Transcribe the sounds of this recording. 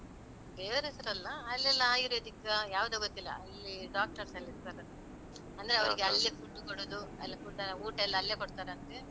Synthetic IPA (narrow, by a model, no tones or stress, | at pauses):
beːɾesɐɾɐlːɐːlːɛlːaːjiɾed̪ikːɐjaːʋd̪aːɡot̪ːilːɐ̰ɐlːiɖaːk̚ʈɐɾsɐlːist̪aɾɐd̪ | ɐnd̪ɐɾeɐʋɐiɡeɐlːifuʈːukoɽoːd̪uɐ̰lːikuʈːɐɐuːʈɐlːɐɐlːeːbɐɽt̪aːɾeɐnt̪e